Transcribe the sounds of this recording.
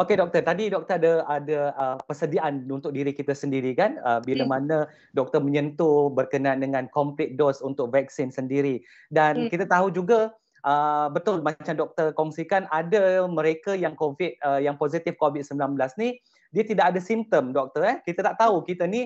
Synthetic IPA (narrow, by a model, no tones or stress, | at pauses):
okedɔk̚t̪ərt̪adidɔk̚t̪əɾadəadaəpərsədiaʔanunt̪ʊk̚diɾikit̪asəndiɾikanəbiləmanə̃ | dɔk̚t̪ərməɲənt̪ubərkənaaːndəŋãnkɔmplɪt̪̚dosunt̪ʊk̚vɛk̚sinsəndiɾi | dankit̪at̪aɦud͡ʒuɡa | ʔəbət̪ʊlmat͡ʃamdɔk̚t̪ərkɔŋsikanadaməɾekajaŋkovɪt̪̚əjaŋpozit̪ɪfkovit̪̚səmbilanbəlasni | diat̪idakadasimt̪əmdɔk̚t̪əɾɛkit̪at̪aʔt̪aukit̪ani